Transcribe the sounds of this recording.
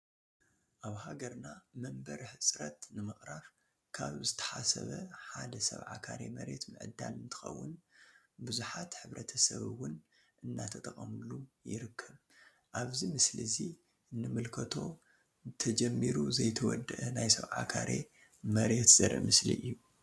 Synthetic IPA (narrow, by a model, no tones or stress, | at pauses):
ʔaβhaɡɐɾnamɐmbɐɾħɨsʼɾɐt̪nɨmɨχʼɾaɾ | kʰaβzɨt̪ʰɐ̥ħasɐ̰βɐħad̪ɐsɐ̰βʕa̰kʰaɾemɐɾe̞t̪mɨʕɨd̪ːa̰lɨnt̪ʰɨ̥xɐ̰wːʊnbɨzuħat̪ħɨβɾʔɐt̪ʰɐsɐβɨwːʊn | ʔɨnːat̪ʰɐt̪ʼɐkʼɐmlujɪɾɨkʰːɐβ | ʔaβzimɨslɨzi | nːɨmɨlkʰɐt̪ʰo̞ | t̪ʰɐd͡ʒɛmːiɾuzɐjt̪ʰɐwɔ̰d̪ɨʔɐnajsɐβʕa̰kʰaɾʔe̞̰ | mɐɾe̞t̪z̥ɐɾʔɨ̰mɨslḭʔɨjːu